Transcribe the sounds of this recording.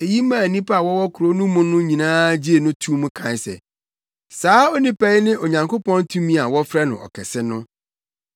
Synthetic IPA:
e˨ji˦mãː˦˨nĩ˦pa˦a˨wɔ˦wɔ˦kʰʊ˨ɾo˦nũ˦mʊ̃˦nʊ̃˦ɲĩ˨nãː˦d͡ʑi˦e˨nʊ̃˦tʰũ˦mʊ̃˦kʰã˨ɲ˨sɛ̰˨ | saː˨˦o˦nĩ˦pɛ˦ɪ˦nɪ̃˦ʔo˨ɲã˨ŋko˦pɔ̃˦ntʰũ˦mĩ˦a˨wɔ˦fɾɛ˦nʊ̰̃˨ʔɔ̰˨kʰɛ˨sɪ˦nʊ̃˦

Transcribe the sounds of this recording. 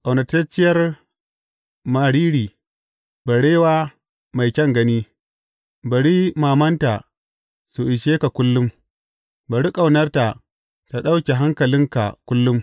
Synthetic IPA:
kʼa˨wnɐ˨tɐ˦t͡ʃɪ˦jɐ˦r | maː˨ɽiː˦ɽiː˨ | ba˨ɽeː˦waː˦ | ma˨jkʲɐ˦ŋɡɐ˦niː˦ | bɐ˨ɽi˦maː˨mɐ˦nta˨ | su˨ʔɪ˨ʃeː˦ka˨kʷʊ˦lːʊ˦m | bɐ˨ɽi˦kʼa˨wnɐ˦rta˨ | ta˨ɗa˦wkʲe˨ɦa˦ŋkɐ˨lɪ˦ŋka̰˨kʷʊ˦lːʊ˦m

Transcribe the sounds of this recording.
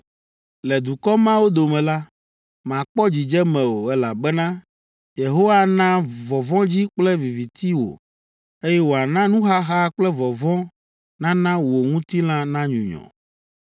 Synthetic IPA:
lɛ˨d̪u˨kɔ˦mã˦wo˦d̪o˨mɛ̃˨la˦ | m˨ã˨k͡pɔ˦d͡ʑi˨d͡ʒɛ˦mɛ̃˨wo˨ɛ˦la˨bɛ˦nã˦ | je˨ɦo˦wa˦nã˦vɔ˨vɔ̃˦d͡ʑi˦k͡plɛ˦vi˨vi˨t̪i˦wo̰˨ | e˦jɛ˦wo˨a˨nã˦nũ˦ɦa˦ɦa˦k͡plɛ˦vɔ˨vɔ̃˦ | nã˦nã˦wo˨ŋũ˦t̪i˦l̃ã˦nã˦ɲṵ̃˨ɲɔ̰̃˨

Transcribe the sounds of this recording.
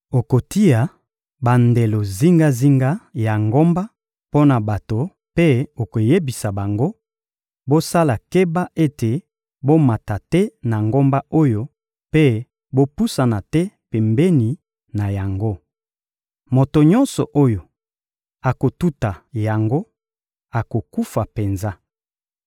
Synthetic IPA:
o˨ko˨ti˦a˨ | ba˨nde˨lo˨zi˦ŋɡa˦zi˦ŋɡa˦ja˨ŋɡo˦mba˦ | po˦na˨ba˨to˨ | pe˦o˨ko˨je˦bi˨sa˨ba˨ŋɡo˦ | bo˦sa˦la˨ke˦ba˦ʔe˦te˨ | bo˦ma˨ta˨tɛ˦na˨ŋɡo˦mba˦o˦jo˦ | pe˦ | bo˦pu˦sa˨na˨tɛ˦pe˨mbɛ˦ni˨ | na˨ja˨ŋɡo˦ | mo˨to˨ɲɔ˦nsɔ˨ʔo˦jo˨ | a˨ko˨tu˦ta˨ja˨ŋɡo˦ | a˨ko˨ku˦fa˨pe˨nza˦

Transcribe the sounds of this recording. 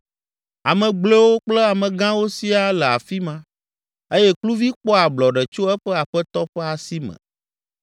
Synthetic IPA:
a˨mɛ̃˨ɡ͡ble˦wo˦k͡plɛ˦a˨mɛ̃˨ɡã˦wo˦si˦a˦lɛ˨a̰˨fi˦mã˦ | e˦jɛ˦klu˦vi˦k͡pɔ˦a˨blɔ˨ɖɛ˨t͡ʃo˦ɛ˦ɸɛ˦a˨ɸɛ˦t̪ɔ˦ɸɛ˦a˨si˦mɛ̰̃˨

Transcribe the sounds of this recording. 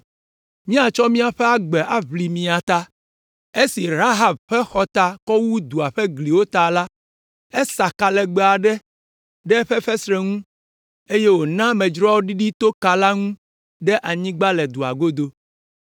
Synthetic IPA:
mĩ˦a˨t͡ʃɔ˦mĩ˦a˨ɸɛ˦a˦ɡ͡bɛ˨ʔa˦βli˨mĩ˨a˨t̪a˦ | e˦si˨ɾa˦ɦa˨b̚ɸɛ˦xɔ˦t̪a˦kɔ˦wu˦d̪u˨a˨ɸɛ˦ɡli˨wo˦t̪a˨la˦ | ɛ˦sa˨ka˨lɛ˨ɡ͡be˨a˨ɖɛ˦ | ɖɛ˦ɸɛ˦ɸɛ˦sɾɛ˨ŋũ˦ | e˦je˦wo˨nã˦mɛ̃˨d͡ʒɾɔ˦wo˦ɖi˦ɖi˦t̪o˦ka˨la˦ŋũ˦ | ɖɛ˦ʔa˨ɲĩ˦ɡ͡ba˦lɛ˨d̪u˨a̰˨ɡo˦d̪o˦

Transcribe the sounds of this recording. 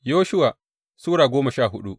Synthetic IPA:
joː˦ʃʊ˦waː˨ | suː˦ɽaː˨ɡʷoː˦mɐ˨ʃaː˦˨ɦʊ˦ɗṵ˦ʔ

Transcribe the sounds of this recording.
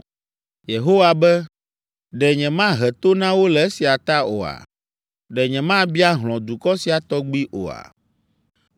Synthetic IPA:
je˨ɦo˦wa˨bɛ˦ | ɖɛ˨ɲɛ̃˨mã˦ɦɛ˨t̪o˦nã˦wo˦lɛ˨˦e˦si˨a˨t̪a˦o˨a̰˨ | ɖɛ˨ɲɛ̃˨mã˦bi˦a˦ɦl̃ɔ̃˨d̪u˨kɔ˦si˨a˨t̪ɔ˦ɡ͡bi˦ʔo̰˨a̰˨

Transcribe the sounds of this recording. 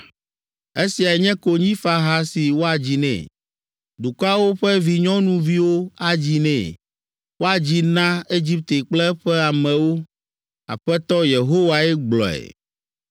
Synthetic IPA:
e˦si˨a˨ɲɛ̃˦ko˨ɲĩ˦fa˨ɦa˦si˨wo˦a˨d͡ʑi˨nɛ̰̃˨ | d̪u˨kɔ˦a˦wo˦ɸɛ˦vi˨ɲɔ̃˦nũ˦vi˦wo˦a˨d͡ʑi˨nɛ̰̃˨ | wo˦a˨d͡ʑi˨nã˦e˦d͡ʑi˦p̚t̪e˨k͡plɛ˦ɸɛ˦a˨mɛ̃˨wo˦ | a̰˨ɸɛ˦t̪ɔ˦je˨ɦo˦wa˨ɛ˦ɡ͡blɔ̰˨ɛ̰˨

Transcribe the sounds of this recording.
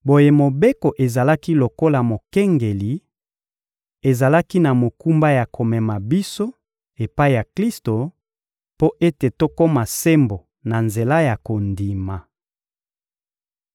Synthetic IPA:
bo˨je˨mo˨be˦ko˨ʔe˨za˨la˦ki˦lo˨ko˦la˨mo˨kɛ˦ŋɡe˨li˨ | e˨za˨la˦ki˦na˨mo˨ku˦mba˦ja˨ko˨mɛ˨ma˨bi˦so˦ | e˨pa˦i˨ja˨kli˦sto˨ | po˦ʔe˦te˨to˦ko˦ma˨se˦mbo˨ | na˨nze˨la˦ja˨ko˨ndi˨ma˨

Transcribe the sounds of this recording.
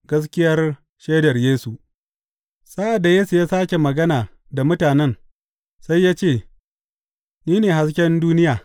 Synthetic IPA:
ɡɐ˦s̬kʲɪ˦jɐ˦r | ʃeː˦dɐ˨rjeː˦su˨ʔ | sa˦ʔa˨dːa˨jeː˦su˨jaː˦saː˦kʲe˨mɐ˨ɡɐ˦naː˨ | da˨mʊ˦taː˨nɛ˦n | sa˦jːaː˦t͡ʃeː˦˨ | niː˦neː˨ha˦s̬kʲɛ˦nduː˦nɪ˦jaː˨

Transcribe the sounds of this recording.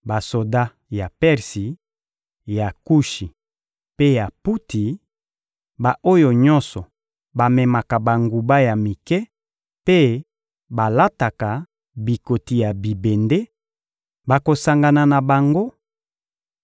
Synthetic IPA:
ba˨so˨da˦ | ja˨pɛ˦ʁsi˨ | ja˨ku˦ʃi˨ | pe˦ja˨pu˦ti˨ | ba˨ʔo˦jo˨ɲɔ̃˦nsɔ˨ | ba˨mɛ˨ma˨ka˨ba˨ŋɡu˨ba˦ja˨mi˨kɛ˦ | pe˦ | ba˨la˦ta˨ka˨ | bi˨ko˨ti˨ja˨bi˨be˨nde˦ | ba˨ko˨sa˨ŋɡa˨na˨na˨ba˨ŋɡo˦

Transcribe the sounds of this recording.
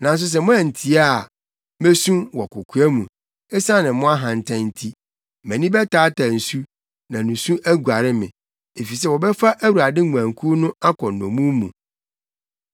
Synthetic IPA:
nã˨n̩˦s̬ʊ˦s̬ɛ˨mʊ̃˦ɛ̃˨n̩˨tʰi˦a˦˨ | me˦sũ˦wɔ˨kʊ˨kʰu˦ɛ˦mũ˨ | ɛ˦sa˦nɪ̃˨˦mʊ̃˦a˦ɦã˨n̩˨tʰã˦n̩˦tʰi˦ | mɛ̃˨nĩ˦bɛ˦tʰaː˨˦tʰa˨n̩˨su˦ | nã˨nũ˨sũ˦ʔæ˦ɡu˨a˨ɾɪ˦mɪ̰̃˨ | e˨fi˨s̬ɛ˦wɔ˨bɛ˦fa˦ʔæ˦wu˨ɾa˨dɪ˦ŋu˨ã˨ŋ˨kʰu˦nʊ̃˦a˦kʰɔ˨ɔ̰̃˨mũ˦mũ˨

